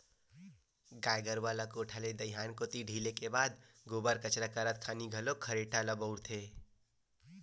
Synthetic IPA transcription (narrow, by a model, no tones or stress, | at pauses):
ɡajɡəɾʋaləkoːʈʰaled̪əjɦankot̪iɖʱilekebad̪ | ɡobəɾkət͡ʃɾakəɾət̪̚kʰaniɡʱəlokʰəɾeʈaləbəʊɾt̪ʰe